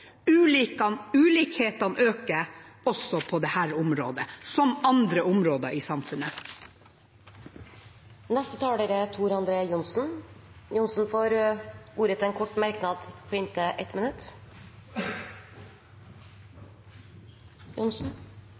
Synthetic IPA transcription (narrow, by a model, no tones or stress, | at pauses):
ʉːliːkɑnʉːliːkheːt̪ɑnʔøːkəɾɔsɔpʰɔd̪ɛhæːɾʊmɾo̰ːd̪əsɔmɑnd̪ɾəʔʊmɾoːd̪əɾiːsɑmfʉnə | nɛst̪ət̪ʰɑːɽeːɾət̪ʰuːɾɑnd̪ɾeːjʊnsn̩jʊnsn̩foːɾuːɾət̪ʰɛnkʰɔʈːmæɾknɑːd̪pʰoːɪnt̪əʔɛt̪mənʉt̪ | jʊnsn̩